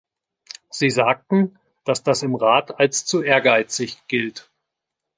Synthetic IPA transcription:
z̥iːzaːk̚tn̩ | d̥asd̥asɪmʁaːtʰalst͡suʔeːɐɡaɪt͡sɪçɡ̥ɪlt

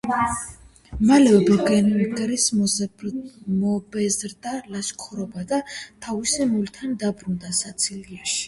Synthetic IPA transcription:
malɛvɛbɛɡɛniɡɾis | ɔbɛzɾd̪alaʃkʰɔɾɔbad̪at̪ʰavisɛmult̪ʰand̪abɾund̪asat̪sʰiliaʃi̥

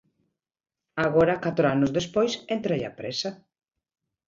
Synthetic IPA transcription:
aɣoɾɐkat̪ɾoanʊzðespojsent̪ɾeja̰pɾesa

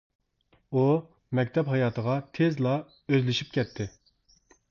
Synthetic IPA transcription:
u | mɛk̚ʲt̪ʰɛpɦɑjɑːt̪ʰəʁɑt̪ʰezlˠɑ | øzlɪʃip̚kʲʰɛt̪ʰːɪ

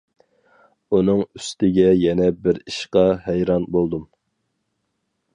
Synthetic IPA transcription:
unɨŋyst̪ɪɡʲɛjɛnɛbɪɾiʃqɑhɛjɾɑnbolˠd̪um

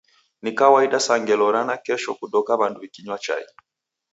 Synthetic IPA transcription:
nikawaiɗasaŋɡɛlɔɾanakɛʃɔkuɗɔkaβanduikiɲwat͡ʃa̰ji

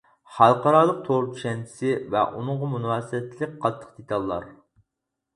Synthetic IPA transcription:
χɑlˠqɑɾɑːlˠəq̚t̪ʰoɾt̪ʲʰy̥ʃɛnt͡ʃʰi̥sɪvɛ̰ʔunʊɴʁɑmunwɑːsɨɛt̪ʰːɪlɪk̚ʲqʰɑt̪ʰːə̥qd̪̥et̪ʰɑlˠːɑ̰ɾ

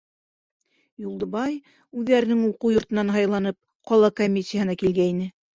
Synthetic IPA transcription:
julˠd̪ŏβɑj | ʉðːæɾɘ̆nɘŋuquwjŏɾt̪ɤ̆nɑnɦɑjlˠɑnɤp̚ | qɒlˠɑkomʲːisʲijahɤ̆nɑkilɡæinɘ

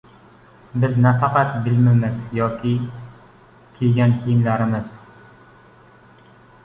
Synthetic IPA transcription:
bɪznafɑqɑt̪bɪlmɪmɪzjɒkʲʰɪ | kʲʰelɡʲankʲʰejɪmlaɾɪmɪz̥

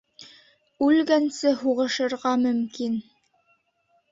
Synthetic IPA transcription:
ʉlɡænsɘhuʁɤ̆ʃɤ̆ɾʁɑmɵ̆mkin

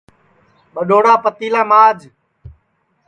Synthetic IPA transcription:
ɓəɗoːɽaːpət̪iːlaːmaːd͡ʒ

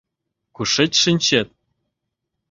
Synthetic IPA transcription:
kuʂɘ̆t͡ɕʲʂɘ̆nʲɕet̪̚

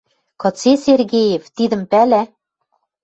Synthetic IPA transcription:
kɤ̆t͡seserɣejĕft̪id̪ə̆mpælæ

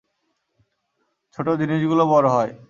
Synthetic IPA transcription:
t͡ɕʰoʈod̪inid͡ʑɡulobɔɾoɦɔe

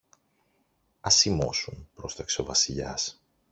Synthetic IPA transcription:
ɐsimo̞̰sunpɾo̞st̪ɐksovɐsiʎɐ̰s

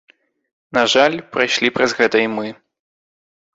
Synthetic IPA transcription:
naʐalʲpɾajʂlʲipɾɐzɣɛt̪ɐimɨ

